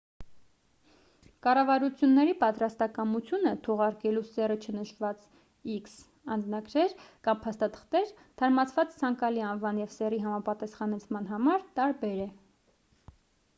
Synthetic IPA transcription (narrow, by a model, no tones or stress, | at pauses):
kɑrɑvɑɾut͡sʰjunːɛɾipɑt̪ɾɑst̪ɑkɑmut͡sʰjunət̪ʰɔʁɑɾkɛlusɛrət͡ʃʰənəʃvɑt͡s | iks | ɑnd͡znɑɡɾɛɾkɑmpʰɑst̪ɑt̪ʰə̥χt̪ɛɾ | t̪ʰɑɾmɑt͡sʰvɑt͡st͡sʰɑŋkɑliɑnvɑnjɛvsɛriɦɑmɑpɑt̪ɑsχɑnɛt͡sʰmɑnɦɑmɑɾt̪ɑɾbɛɾɛ